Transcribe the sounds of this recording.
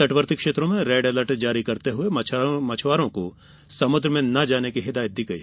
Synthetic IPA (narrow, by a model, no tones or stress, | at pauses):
sɐʈʋəɾt̪ɪkʃeːt̪ɾõmẽɾɛːɖɛːləʈd͡ʒaːɾikɐɾt̪eɦʊemɐt͡ʃʰwaːɾõko | sɐmʊd̪ɾəmẽnɐd͡ʒaːnekiɦɪd̪aːjət̪̚d̪ɪɡɐḭ